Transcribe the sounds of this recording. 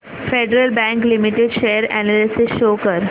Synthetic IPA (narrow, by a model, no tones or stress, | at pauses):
feɖɾəlbæ̃ŋklimiʈeɖʃeːəɾænalɪsɪsʃoːkəɾ